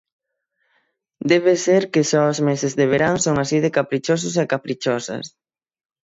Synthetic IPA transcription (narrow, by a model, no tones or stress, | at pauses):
d̪ɛβ̞eseɾkɪʃɔozmesezðeβ̞eɾaŋsoŋasiðekapɾit͡ʃos̬ʊs̬ekapɾit͡ʃɔsɐ̰s